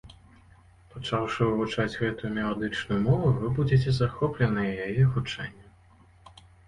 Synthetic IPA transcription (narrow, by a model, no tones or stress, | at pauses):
pat͡ʂawʂɨwvut͡ʂad͡zʲɣɛt̪ujumʲɛlˠad̪ɨt͡ʂnujumɔvuvɨbud͡zʲɛt͡sʲɛzaxɔplʲɛnɨjɛjajɛɣut͡ʂɛ̰nʲːɐ